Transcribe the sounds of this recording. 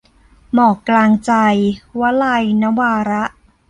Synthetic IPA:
mɔː˨˩klaː˧ŋt͡ɕa˧jwa˦˥la˧jna˦˥waː˧ɾa˦˥ʔ

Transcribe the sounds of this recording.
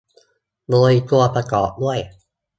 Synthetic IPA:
boː˧jku˧ɐpɾa˧kɔː˨˩p̚mu˥˩əj

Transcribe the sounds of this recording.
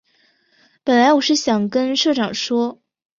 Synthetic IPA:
pə˨˩nla˧˥ɪwɔ˨˩ʂɻ̩˥˩ɕjɑ˨˩ŋkə˥nʂɤ˥˩ʈ͡ʂɑ˨˩ŋʂwɔ˥

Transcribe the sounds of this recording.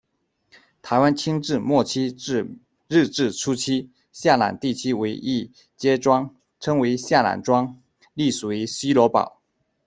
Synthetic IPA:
t̪ʰa˧˥ɪwa˥nt͡ɕʰi˥ŋʈ͡ʂɻ̩˥˧mwɔ˥˩t͡ɕʰi˥ɻ̩˥˧ | ɻɻ̩˥˧ʈ͡ʂɻ̩˥˩ʈ͡ʂʰu˥t͡ɕʰi˥ | ɕja˥˩la̰˨˩˦nt̪i˥˩t͡ɕʰy˥we˧˥ɪʔi˥˩ | t͡ɕjɛ˥ʈ͡ʂwɑ˥ŋ | ʈ͡ʂʰɤ˥ŋwe˧˥ɪɕja˥˩la̰˨˩nʈ͡ʂwɑ˥ŋ | li˥˩swe˨˧˩ɪ˧˥ɕi˥lwɔ˧˥pɑ̰˨˩˦ʊ

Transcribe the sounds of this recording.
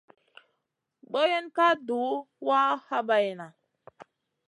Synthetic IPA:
ɓo˦je˦nka˦duː˨˦ | wa˦ha˦ba˨jna˨

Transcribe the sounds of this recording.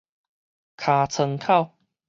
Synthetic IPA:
kʰaː˧t͡sʰɤ˧ŋkʰa˥˩˨w

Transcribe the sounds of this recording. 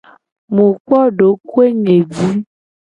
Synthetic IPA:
mũ˨k͡pɔ˦ɖo˨˦ku˦e˦ɲe˨vi˦

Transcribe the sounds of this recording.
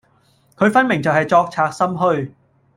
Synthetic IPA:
kʰəː˨˥jfaː˧˥nmɛ˨˩ŋt͡ɕəː˨˩haː˨˩jt͡ɕɔ˧˥k̚t͡ɕʰaː˨˥k̚sə˧mɦəː˧˩j

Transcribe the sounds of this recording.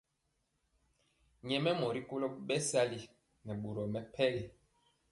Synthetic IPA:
ɲɛ˨mɛ˦mɔ˨ɾi˦ko˦lɔ˦ɓɛ˦sa˦li˦ | nɛ˨ɓu˨ɾɔ˨mɛ˨pʰɛ˦li˨

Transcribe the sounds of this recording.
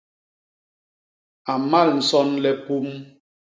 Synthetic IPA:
a˨ma˦˨ln̩˨sɔ˦nlɛ˦pu˦m

